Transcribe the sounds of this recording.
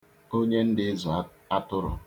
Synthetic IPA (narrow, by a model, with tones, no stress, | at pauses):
o˦ɲe˦n̩˦dɪ˦zɔ˨˦ | a˦tʊ˦ɾʊ̰˨